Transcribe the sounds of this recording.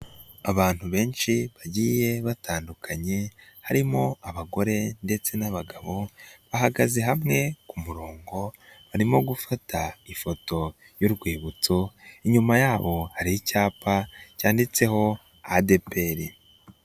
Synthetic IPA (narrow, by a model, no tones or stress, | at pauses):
aβaːn̥huβe̞ːnʃiβaɟiːje̞βatʰaːndukʰaɲe̞haɾimo̞aβaɡo̞ɾe̞nde̞t͡se̞naβaɡaβo̞βaɦaɡaze̞ɦamŋe̞kumuɾoːŋɡo̞βaɾimo̞ɡufataifo̞to̞ | joɾɡwiːβut͡so̞iɲumajaːβo̞haɾiicaːpʰacaːndit͡se̞ho̞ | ade̞pe̞ɾi